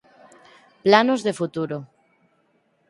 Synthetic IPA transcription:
planozðefut̪uɾo

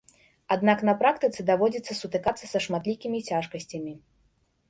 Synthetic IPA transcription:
ad̪naknɐpɾakt̪ɨt̪sɨd̪avɔd͡zʲɛt̪sɐsut̪ɨkat̪sːɐsɐʂmat̪lʲikʲimʲit͡sʲaʂkɐsʲt͡sʲɐmʲi

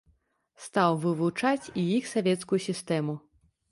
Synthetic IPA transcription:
st̪awvɨvut͡ʂat͡sʲijixsavʲɛt̪skujusʲist̪ɛmu

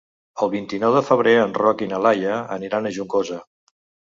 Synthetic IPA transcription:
əlˠβint̪inɔwðəfəβ̞ɾeənrɔkinəlajəəniɾanəʒuŋkozə

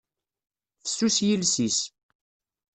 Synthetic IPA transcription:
θə̥sːusjilsis

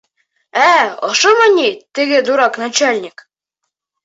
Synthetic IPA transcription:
æɒ̰ʃɤmɤnʲit̪ɘ̆ɡɘd̪uɾɑknat͡ɕælʲnʲɪk

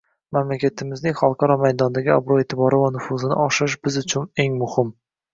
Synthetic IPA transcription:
mamlakʲʰat̪ʰɪmɪznɪŋχɒlˠqʰɑɾɒmajd̪ɒnd̪aɡʲɪabɾoet̪ʰɪbɒɾɪvanʊfʊzɪnɪ̰ɒʃɪʃ̬b̥ɪzʊt͡ʃʰʊne̞ŋmʊhɪm

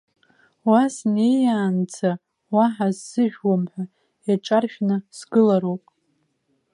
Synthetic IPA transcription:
wasne̞jaːnd͡zʰa | waħazːɨʒᶣwamħʷᶣa | jaʈ͡ʂʼarʃʲᶣnɨsɡɨlaɾowpʼ

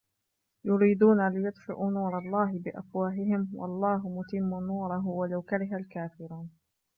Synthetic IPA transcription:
jʊɾiːd̪uːnalɪjʊd̪fɪ̰ʔuːnuːɾˤɑlˤːɑːɦɪbɪʔafwaːɦɪɦɪmwɑ̰lˤːɑːɦʊmʊt̪ɪmːunuːɾˤɑɦʊwalawkaɾɪɦalkaːfɪɾuːn

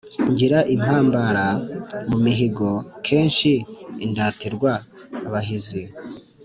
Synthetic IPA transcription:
ɲɟiɾaʔim̥haːmbaɾamumiɦiɡo̞kʰeːnʃiːndaːtiɾɡwaː | βaɦizi

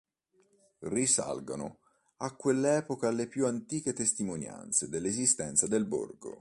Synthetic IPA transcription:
risa̰lɡo̰nʊ̰ | akːwelːɛːpokalepjuant̪iːket̪est̪imonja̰nt̪sed̪elːezist̪ɛnt̪sad̪elbo̰rɡo̰

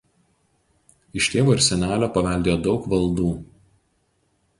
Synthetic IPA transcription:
ɪʃʲt̪ʲeːʋoːɪɾsʲɛnʲæːlʲoːpɐʋʲɛˑlʲd̪ʲeːjoːd̪ɒʊkʋɐlˠˑd̪uː

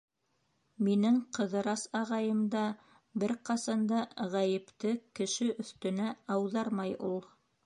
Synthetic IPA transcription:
minɘŋqɤ̆ðɤ̆ɾɑsɑʁɑjɤ̆md̪ɑ | bɘɾqɑsɑnd̪ɑʁæjɘ̆pt̪ɘkɘ̆ʃɘʔɵ̆θt̪ɵ̆næɑwðɑɾmɑjulˠ

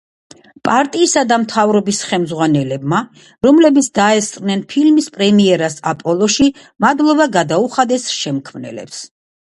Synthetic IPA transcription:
pʼaɾt̪ʼiːsad̪amt̪ʰavɾɔbisχɛmzʁwanɛlɛb̚ma | ɾɔmlɛbit̪sʰd̪aɛst̪ʼnɛnpʰilmispʼɾɛmiɛɾasapʼɔlˠɔʃi | mad̪lˠɔbaɡad̪auχad̪ɛsʃɛmkʰmnɛ̰lɛ̰ps

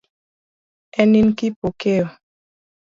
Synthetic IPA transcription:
ɛninkipokeo

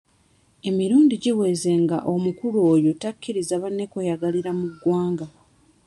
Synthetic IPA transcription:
e̞miɾuːndiɟiwe̞ːze̞ŋɡa̰ʔomukuloːjo̞takʰːiɾizaβanːe̞kojaɡaliɾamuɡːwaːŋɡa

